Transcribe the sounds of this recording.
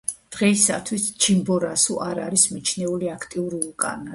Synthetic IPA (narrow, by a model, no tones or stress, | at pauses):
d̪̥ʁɛisa̰t̪ʰwist͡ʃʰimbɔɾasuʔaɾa̰ɾismit͡ʃʰnɛuliakʰt̪ʼiuɾilˠkʼa̰na